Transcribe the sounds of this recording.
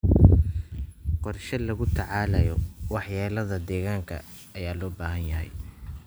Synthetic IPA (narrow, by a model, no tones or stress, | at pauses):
qɔrʃɐlɐɣʊt̪ʰɑʕɑːlɐjɔwɑħjaːlɐðɐd̪ɛːɣaːŋkʰɐ̰ː | jaːlɔːbaːɦɐnjɐɦɛ̰j